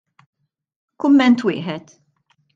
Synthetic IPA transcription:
kʊmːɛnt̪wɪ̰ːħɛt̪

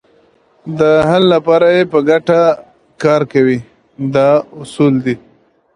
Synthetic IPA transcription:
d̪əɦalːapɑɾajepəɡaʈa | kɑɾkawi | d̪ɑʊsuld̪i

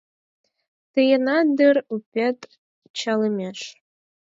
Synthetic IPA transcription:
t̪ɨjənɑd̪ɨrupʲet̪ | t͡ɕɑlə̆mʲeʃ

